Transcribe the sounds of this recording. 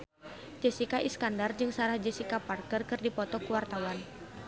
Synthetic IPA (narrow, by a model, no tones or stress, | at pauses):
d͡ʒəsikaʔiskandard͡ʒɨŋsaɾahd͡ʒəsikaparkərkɨrdipɔt̪ɔkuwart̪awan